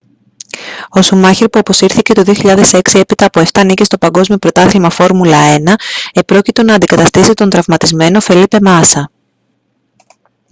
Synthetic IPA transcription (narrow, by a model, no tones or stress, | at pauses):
o̞sumɐçiɾpuɐpo̞siɾθice̞t̪oðio̞çiʎɐðe̞se̞ksie̞pit̪ɐːpo̞e̞ft̪ɐːnicest̪o̞pɐŋɡo̞zmio̞pɾo̞t̪ɐθlimɐfo̞ɾmulɐe̞nɐe̞pɾo̞cit̪o̞nɐːnd̪ikɐt̪ɐst̪isit̪o̞nt̪ɾɐvmɐt̪izme̞no̞fe̞lipe̞mɐsɐ